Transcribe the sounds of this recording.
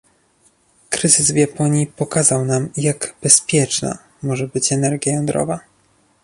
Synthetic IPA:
kɾɘzɘzvʲjapɔɲjipɔkazawnamjaɡb̥ɛspʲjɛt͡ʂna̰ | mɔʐɛbɘt͡ɕɛnɛɾɡʲjajɔnd̪ɾɔ̰va

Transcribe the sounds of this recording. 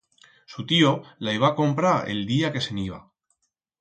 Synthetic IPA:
sut̪iolaiβako̞mpɾaɾḛld̪iake̞se̞niβa̰

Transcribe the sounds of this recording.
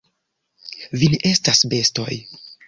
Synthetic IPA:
vineʔe̞stasbe̞sto̞̰j

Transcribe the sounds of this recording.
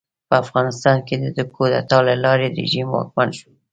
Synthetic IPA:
pəafɣɑnɪst̪ɑnked̪əd̪əkʰod̪a̰t̪ɑlalɑɾeɾḛʒimwɑ̰k̚manʃo̥

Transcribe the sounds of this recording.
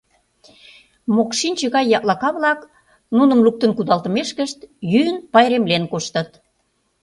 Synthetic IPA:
mokʃinʲt͡ɕə̆ɣɑjːɑʔlɑkɑβlɑk | nunə̆mluk̚t̪ə̆nkud̪ɑlt̪ə̆meʃkəʃt̪jyənpɑjɾemlenkoʃt̪ə̆t̪

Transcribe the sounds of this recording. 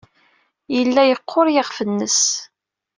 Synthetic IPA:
jəlːæjəqʰːoɾjəʁfənːəs

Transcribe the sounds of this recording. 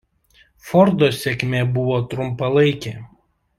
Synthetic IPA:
fɔɾd̪oːsʲɛkʲmʲeːbʊʋoːt̪ɾʊmpɐlˠɐɪkʲeː

